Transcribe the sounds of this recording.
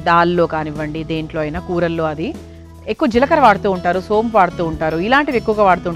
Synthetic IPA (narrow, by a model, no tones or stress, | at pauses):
d̪aːlːo̞ːkaːniʋːɐɳɖid̪eːɳʈloːɐjnaːkuːɾɐlːoːɐd̪i | ekːuʋɐd͡ʒilɐkɐɾɐʋaːɽut̪uːuɳʈaːɾusoːmpʋaːɽut̪uːɳʈaːɾuilaːɳʈid̪ekːuʋɐɡaːʋaːɽut̪uːɳ